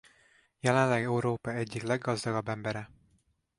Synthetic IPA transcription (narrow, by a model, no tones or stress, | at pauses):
jɛlɛnlːɛɡɛuɾoːpɒɛɟːiklɛɡːɒzd̪ɒɡɒbːɛmbɛɾɛ